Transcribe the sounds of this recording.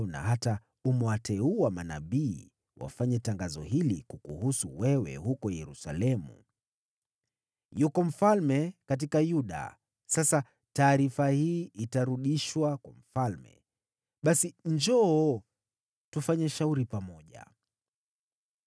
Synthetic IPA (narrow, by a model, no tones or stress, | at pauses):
na̰hata | umwatʰɛuamana̰ɓiː | wʔa̰faɲɛtaŋɡazɔ̰hilikukuhusuwɛwɛ̰hukɔjɛɾusa̰lɛmṵ | jukɔm̩falmɛkat̬ikajuɗa̰ | sasa | taːɾifahiːitaɾuɗiʃwakwam̩falmɛ̰ | ɓasiɲd͡ʒɔ | tufaɲɛʃauɾipamɔʄa̰